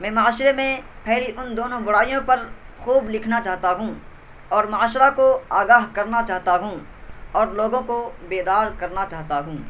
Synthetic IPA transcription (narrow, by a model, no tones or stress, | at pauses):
mɛ̃ːmaaːʃɾemẽ | pʰɛːɾiʔʊnd̪oːnõbʊɽaːijõpɐɾxuːblɪkʰnat͡ʃaːɦt̪aɦũ | ɔːɾmaaːʃɾakoaːɡaːɦkɐɾnat͡ʃaːɦt̪aɦũ | ɔːɾloːɡõkobeːd̪aːɾkɐɾnat͡ʃaːɦt̪aɦũː